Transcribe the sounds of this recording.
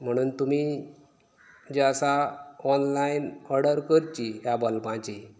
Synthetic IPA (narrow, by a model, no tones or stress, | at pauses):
m̤əɽ̃uːnt̪umi | d͡ʑeasaɔnlainɔɾɖəɾkəɾt͡ɕijabalpãt͡ɕi